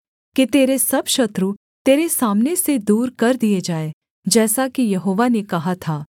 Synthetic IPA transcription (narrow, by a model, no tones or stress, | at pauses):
kit̪eːɾesɐbʃɐt̪ɾu | t̪eːɾesaːmnesed̪uːɾkɐɾd̪ijed͡ʒaːe | d͡ʒɛːsakijɐɦoːʋanekɐɦat̪ʰaː